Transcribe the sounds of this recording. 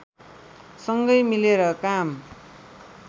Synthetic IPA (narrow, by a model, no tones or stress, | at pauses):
sʌŋɡʌjmileɾʌkam